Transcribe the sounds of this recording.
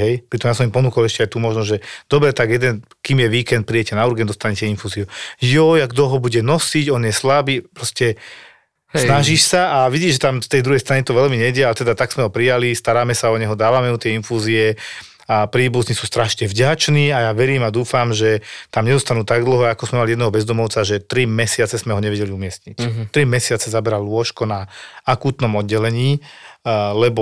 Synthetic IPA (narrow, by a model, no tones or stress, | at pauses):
ɦɛjpɾit̪ɔmjaːs̬ɔmimpɔnuːkɔlɛʃcɛajt̪umɔʒnɔʒɛd̪̥ɔbɾɛt̪aɡjɛd̪ɛn | kiːmjɛʋiːkɛnt̪̚pɾiɛcɛnauɾɡɛnd̪ɔst̪aɲɛcɛinfuːziujɔjaɡd̪ɔɦɔbuɟɛnɔsiɟɔnjɛslabiːpɾɔscɛ | snaʒiʃsaʔaʋiɟiːʒɛt̪amst̪ɛjd̪ɾuɦɛjst̪ɾaɲit̪ɔʋɛlmiɲɛɟɛalɛt̪ɛd̪at̪aɡsmɛɦɔpɾijalist̪aɾaːmɛsaɔɲɛɦɔd̪aːʋamɛut̪jɛinfuziɛ | apɾiːbuznisuːst̪ɾaʃɲɛvɟat͡ʃniːajaːʋɛɾiːmad̪uːfamʒɛt̪amɲɛd̪ɔst̪anuːt̪aɡd̪l̩ɦɔakɔzmɛmaliɛd̪ɛɦɔbɛzd̪ɔmɔʊt͡saʒɛt̪ɾimɛsɪat͡sɛzmɛɦɔɲɛʋɛɟɛliumɪɛstɲict̪ɾimɛsɪat͡sɛzabɛɾallʊɔʃkɔnaakuːt̪nɔmɔd̪̚ɟɛlɛɲiː | lɛbɔ